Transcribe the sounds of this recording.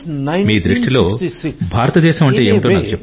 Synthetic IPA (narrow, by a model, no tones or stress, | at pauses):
miːd̪ɾiʂʈilo̞ːbʱaːɾɐt̪ɐd̪ɛːʃɐmɐɳʈeːeːmiʈoːnaːkut͡ʃep